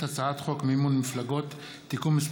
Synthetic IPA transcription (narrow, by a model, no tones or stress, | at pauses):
hat͡saat̪χokmeimonmiflaɡot̪ː | ikumis